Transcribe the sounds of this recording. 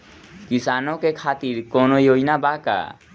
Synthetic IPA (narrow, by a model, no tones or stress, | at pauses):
kisanokekʰaːt̪iɾkonojojnabaka̰